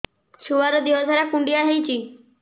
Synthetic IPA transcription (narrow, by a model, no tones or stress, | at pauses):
suʋaɾəd̪iosaɾakũɳɖijaɦeit͡ɕiː